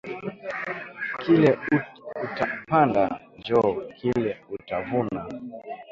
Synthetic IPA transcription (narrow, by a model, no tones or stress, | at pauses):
kilɛuutapanda̰nd͡ʒɔkʰilɛutavuna